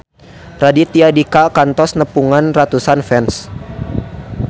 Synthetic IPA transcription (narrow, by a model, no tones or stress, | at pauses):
radit̪iadikakant̪ɔsnəpuŋanrat̪usanfɛns